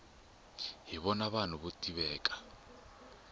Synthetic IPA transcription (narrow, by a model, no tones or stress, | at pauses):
ɦiβɔnaβan̤uβutʼiβɛːkʼḁ